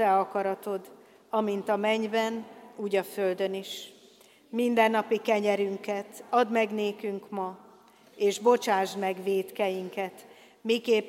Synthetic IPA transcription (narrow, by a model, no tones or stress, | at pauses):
ɛɒkɒɾɒt̪o̞d̪ | ɒmint̪ɒmɛɲbɛnuːɟɒfø̞ld̪ø̞niʃ | mind̪ɛnːɒpikɛɲɛɾyŋkɛt̪ɒd̪mɛɡneːkyŋkmɒ | eːʒbo̞t͡ʃaːʒd̪mɛɡveːt̪kɛjiŋkɛt̪ | mikeːp